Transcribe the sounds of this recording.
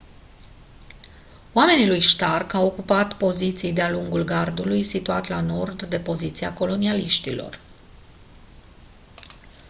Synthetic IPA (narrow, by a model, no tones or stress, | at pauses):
oame̞nilujʃt̪arkawo̞kupat̪po̞zit̪sijd̪ealuŋɡulɡard̪ulujsit̪uat̪lano̞rd̪ːe̞po̞zit̪siako̞lo̞nialiʃt̪ilo̞̰r